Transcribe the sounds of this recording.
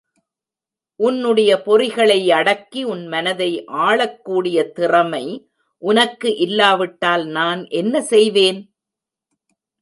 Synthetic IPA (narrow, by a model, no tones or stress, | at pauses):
ʔʊnːɯɽɐjɐpɔrɪɣɐɭɐɪɐɽɐkːiʊnmɐnɐðɐɪʔaːɭɐkːuːɽɪjɐt̪ɪrɐmɐɪ | ʔʊnɐkːɯʔɪlːaːʋɪʈːaːlnaːnʔɛnːɐsɛjʋeːn